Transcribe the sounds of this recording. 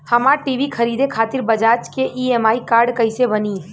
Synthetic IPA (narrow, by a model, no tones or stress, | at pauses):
həmaʈiʋikʰəɾiːd̪ekʰaːt̪ɪɾbəd͡ʒaːt͡ʃkeʔiemaːikaːɾɖkəɪsebəni